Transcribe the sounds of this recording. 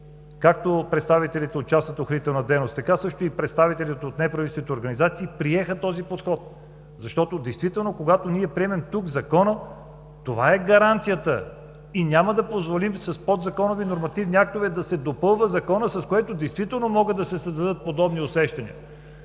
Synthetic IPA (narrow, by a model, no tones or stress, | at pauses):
kak̚t̪opɾɛt̪st̪avit̪ɛlit̪ɛot̪t͡ʃasət̪oxnit̪ɛlˠnɐd̪ɛjnost̪ɐkasɤʃt̪oipɾɛt̪st̪avit̪ɛlit̪ɛot̪nɛpɾɐvit̪ɛst̪nit̪ɛoɾɡɐnizat̪siːpɾiɛxət̪ɔzipot̪xɔt̪ | zɐʃt̪ɔt̪od̪ɛjst̪vit̪ɛlˠnokoɡat̪oniɛpɾiɛmɛmt̪uɡzɐkɔnə | t̪ovaɛɡɐɾant̪sijət̪ə | inʲaməd̪ɐpozvolimsɐspod̪zɐkɔnovinoɾmɐt̪ivniak̚t̪ovɛd̪ɐsɛd̪opɤlˠvəzɐkɔnəsɐskoɛt̪od̪ɛjst̪vit̪ɛlˠnomɔɡəd̪ɐsɛsɐzd̪ɐd̪ɤət̪̚pod̪ɔbniosɛʃt̪ɐnḭə̰